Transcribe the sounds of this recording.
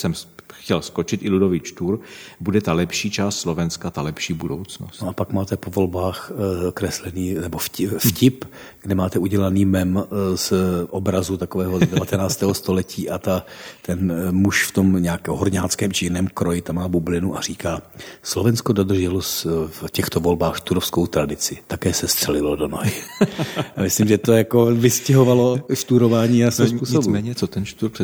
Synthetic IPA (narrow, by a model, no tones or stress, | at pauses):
sɛmxcɛlskot͡ʃɪt̪ɪludovɪt͡ʃt̪uɾbudɛt̪alɛpʃiːt͡ʃaːst̪slo̞vɛnskat̪alɛpʃiːbudowt͡sno̰snsoapakmaːt̪ɛpovo̞lbaːxkɾɛslɛniːnɛbofcɪfcɪp | ɡdɛmaːt̪ɛuɟɛlaniːmɛmsʔobɾazut̪akovɛːɦodɛvat̪ɛnaːt͡st̪ɛːɦost̪o̞lɛciːʔat̪at̪ɛnmuʃft̪o̞mɲɛakɛɦoɾɲaːt͡skɛːmʒɪjnɛːmkɾojɪt̪amaːbublɪnuʔar̥iːkaːslovɛnskodod̪r̩ʒɛlosfcɛxt̪ovo̞lbaːxʃt̪uɾofskowt̪ɾadɪt͡sɪt̪akɛːsɛst̪r̥ɛlɪlodono̰jɪ | amɪslɪmʒɛt̪ojakovɪscɛɦovalo̞ʃt̪uɾo̞vaːɲiːasɛspuːɲsomɛːɲɛt͡sot̪ɛnʃt̪uɾr